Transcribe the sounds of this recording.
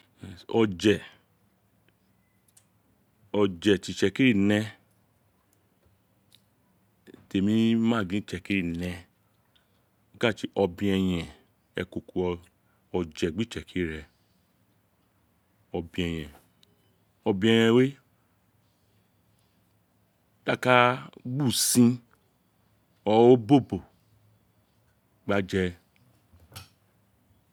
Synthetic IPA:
ɔ˧d͡ʒɛ˨ | ɔ˧d͡ʒɛ˨ti˨˧˨t͡ʃɛ˧ki˦ɾi˦˨nɛ̃˧ | te˨mĩ˧˦mã˦˨ɡĩ˦t͡ʃɛ˧˨ki˦ɾi˦˨nɛ̃˧˦ | ka˦˨ti˦ʔɔ˧bĩ˧ɛ˧j̃ɛ̃˨ | ɛ˧ko˨ku˧ɔ˧ | ɔ˧d͡ʒɛ˨ɡ͡bi˦t͡ʃɛ˨ki˦ɾɛ˧ | ɔ˧bĩ˧ɛ˧j̃ɛ̃˨ | ɔ˧bĩ˧ɛ˧j̃ɛ̃˧we˦ | ta˦˨ka˦ɡ͡bu˦˨sĩ˧ | ɔ˧o˦bo˦˨bo˨ | ɡ͡ba˧d͡ʒɛ˧

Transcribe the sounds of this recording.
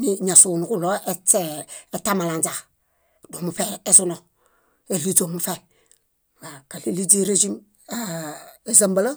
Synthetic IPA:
ni˦ɲa˨sunu˨ku˦lo˦e˦t͡ʃee˦tama˨la˨nd͡ʒa˨k | do˨mu˨fe˦e˨zu˦no˨ | e˨li˦d͡ʒo˨mu˨fe˨ | wa˨ka˨li˦li˦d͡ʒi˦ɾe˦d͡ʒi˦m | ae˨za˦mba˦la˦

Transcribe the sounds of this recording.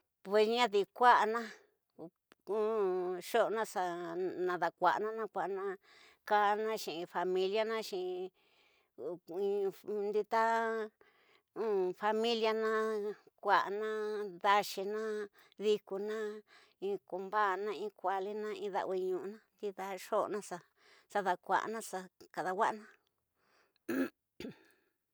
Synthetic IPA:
pwe˧sɲã˦ði˨kʷa˦ʔa˧nã˦ | ũ˦ʃo˦˧nã˦sa˧nã˧ða˨kʷa̰˨ʔnã˦nã˦kʷa˨ʔnã˧ | ka˦˧nã˦ʃĩ˨ĩ˧fa˧mĩ˧lja˦nã˦ʃĩ˨˧ | ĩ˧nd̪i˧t̪a˦ | ũ˨fa˧mĩ˦lja˧nã˦kʷa˨ʔa˧nã˦ða˧ʃi˧nã˦ | ði˧ku˧nã˦ | ĩ˧ku˧mba˦˧nã˧ĩ˧˦kʷa˨li˦nã˦ĩ˧ða̰˧i˧ɲũ˧ʔnã˦nd̪i˦ða˧ʂo̰˦˧nã˦sa˧ | sa˧ða˧kʷa̰˨ʔnã˦sa˧ka˨ða˧wʷa˦ʔnã˦

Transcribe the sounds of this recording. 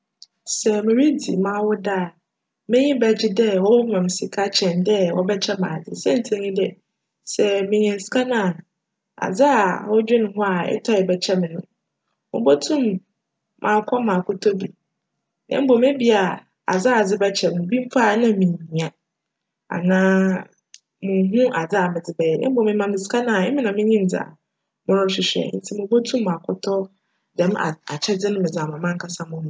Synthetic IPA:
sɛ˨mɪ̃˨ɾi˦dḭ˨mã˨wʊ˦da˦˨ | mɪ̃˦ɲɪ̃˦bɛ˨d͡ʑɪ˦dɛ˦wɔ˦mã˨m˨sɪ˨kʰa˦t͡ɕʰɛ̃˨ndɛ˦wɔ˦bɛ˦t͡ɕʰɛ˦mãː˨dɪ̰˨sɛ̃˦n̩˨tʰɪ̃˦ɲĩ˦dɛ˦ | sɛ˨mɪ̃˨ɲ˨ɛ̃˨n˨skʰa˦nã˦a˨ | a̰˨d͡za˦a˨wɔ˦d͡ʑᶣɪ˦nʊ̃˨ɦʊ˦a˨ɛ̰˦tʰɔ˦ɪ˨bɛ˨t͡ɕʰɛ˦mɪ̃˨nʊ̃˦ | mʊ̰̃˨˦bɔ˦tʰũ˦mː | ʔãː˨kʰɔ˦mã˨kʰʊ˦tʰɔ˦bi˨ | nɛ̰̃˦m˦bo˨me˦bi˦a˨ | a̰˨d͡za˦a˨d͡zɪ˦bɛ˦t͡ɕʰɛ˨mʊ̃˨bi˦m̩˦fa˦˨˦nã˦mĩ˨ɲ˨ĩ˨a˨ | a̰˨nãː˦ | mʊ̃˨˦ɦũ˦ʔa˨d͡za˦a˨mɪ̃˨d͡zɪ˨bɛ˦jɛ˨nɛ̰̃˦bo˨mɪ̃˨mã˨mɪ̃˨sɪ̥˨˦kʰa˦nã˨ɛ˦mɪ̃˦nã˨mɪ̃˦ɲĩ˦n˨d͡zɪ˨a̰˨ | mʊ̃˦ɾʊ̃˦ɕɪ˨ɕᶣɛ̰˨˦n̩˦tʰi˦mʊ̃˨bo˦tʰũ˦mːã˨kʰʊ˦tʰɔ˦ | dɛ˨m˦a̰˨a˨t͡ɕʰɛ˦d͡zɪ˦nʊ̃˦mɪ̃˨d͡za˨mã˨mã˦ŋ˦kʰa˦sa˦mʊ̃˦hʊ̃˨

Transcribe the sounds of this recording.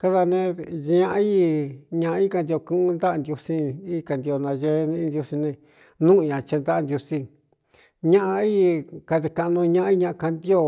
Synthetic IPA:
ka˦ða˧nẽ˧ʒɲã˧˦i˦ɲã˧ʔi˦ka˧nd̪i˧o˧kũ˦nd̪a˦˧nd̪ju˧si˧i˦˧ka˧˨nd̪i˧o˧nã˧ʒe˧˦˧nĩ˧nd̪ju˧si˧nẽ˧ | nũ˦˧ɲã˨t͡ʃe˧nd̪a˦˧nd̪ju˧si˧ | ɲã˦ʔa˧i˦ka˧ðe˧kã˧nũ˧ɲã˧˦ʔa˦i˦ɲã˧ʔka˧nd̪o˦˧

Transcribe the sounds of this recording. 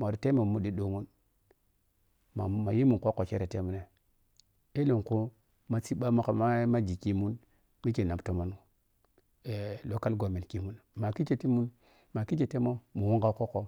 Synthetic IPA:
mo˨ɾi˨te˦mo˨mu˦ɗi˦ɗo˨mu˦n | ma˨ma˨ji˦mu˨ŋko˦ko˨t͡ʃe˦ɾe˨te˦mu˦ne˦ | e˦lo˨ŋku˦ | ma˦si˦ɓa˦ma˦kma˦ma˦d͡ʒi˨ki˨˦mu˦n | mi˦t͡ʃe˨na˨bto˦ma˦n˦u˨ | e˨lo˨ka˦lɡo˨me˨ki˨mu˦nma˨ki˦t͡ʃe˨ti˦mu˦n | ma˨ki˦t͡ʃe˨te˦mo˦mu˨wu˦ŋɡa˦ko˦ko˦

